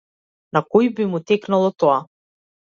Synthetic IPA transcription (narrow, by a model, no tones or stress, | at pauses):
nakɔjbimut̪ɛknalˠɔt̪ɔa